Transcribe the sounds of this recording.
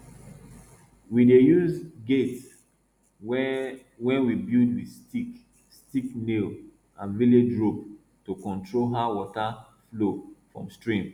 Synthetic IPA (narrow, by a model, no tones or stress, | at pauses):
widejuzɡets | wɛ̃nwibildwistik | stiknel | ãnviled͡ʒɹob̚ | tokɔ̃ntʰɹolɦawɔta | flofɹɔ̰̃mstɹĩm